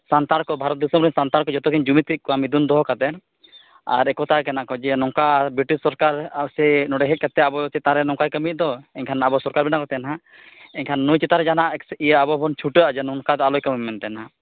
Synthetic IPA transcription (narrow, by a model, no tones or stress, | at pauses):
sant̪aɾkɔbʱaɾɔt̪̚d̪isɔmɾiɲsant̪aɾkɔd͡ʒɔt̪ɔkʰiɲd͡ʒumit̪it̪̚kɔamid̪und̪ɔɦɔkad̪ɛn | a̰ɾɛkɔt̪akɛnakɔd͡ʒɛnɔŋkabɾiʈisːɔɾkaɾasɛnɔɽɛɦɛt̪̚kat̪ɛabɔt͡ʃɛt̪ãɾɛnɔŋkajkəmit̪̚ˀd̪ɔɛɲkʰanabɔsɔɾkaɾbɛnakɔt̪ɛnɦa | ɛɲkʰanːujt͡ʃɛt̪aɾɛd͡ʒanaʔɛksijəabɔbʱɔnt͡ʃʰuʈəad͡ʒɛnɔŋkad̪ɔalɔjkəmimɛnt̪ɛnɦa